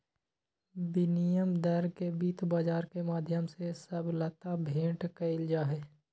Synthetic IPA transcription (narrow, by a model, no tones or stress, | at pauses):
bɪnijəmd̪əɾkebiːt̪baːd͡ʒaːɾkemaːd̪ʱjəmsesəblət̪abʱẽːʈkəɪld͡ʒaːɦɛː